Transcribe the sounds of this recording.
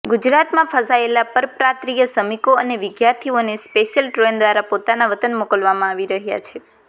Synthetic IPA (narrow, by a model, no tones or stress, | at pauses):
ɡud͡ʒɾat̪mãfʰəsaelapəɾpɾat̪ɾijəsəmikoəneʋɪɡjaɾt̪ʰionespeʃjəlʈɾend̪ʋaɾapot̪anaʋət̪ənmokəlʋamãaʋiɾəɦja̰t͡ʃʰe